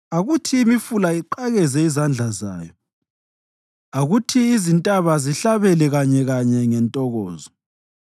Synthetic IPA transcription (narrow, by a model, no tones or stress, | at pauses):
aɣutʰiːmifulaiǃaɣɛzɛizand͡ɮʱaza̰ːjɔ | aɣutʰiːzintʼaβaziɬaβɛlɛɣaɲɛɣaɲɛŋɛntʼɔɣɔːzɔ